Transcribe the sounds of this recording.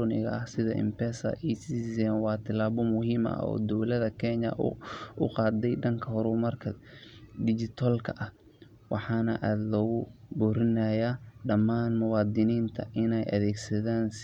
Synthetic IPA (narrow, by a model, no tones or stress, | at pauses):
ɔnɪ̰ɣɐ̰ʔɐhsɪðɐʔɪ̰mpɛːsɐ̰ʔɛsisɛːnwɑːt̪ʰɐlaːβɔmʊɦiːmɐ̰ɔ̰ːd̪ɔwlɐðɐkʰɛɲɐ̰ʔʊqɑːd̪ɛjɖɐŋkʰɐɦɔɾʊmɐrkʰɐd̪ɪd͡ʒɪt̪ʰɔlkʰɐʔɐh | wɑħɑːnɐʔaːd̪lɔːɣʊbɔːɾɪnajaːɖɐmaːnmʊwɑːd̪ɪniːnt̪ʰɐʔɪnɛjʔɐ̰ðɛːɡsɐðaːns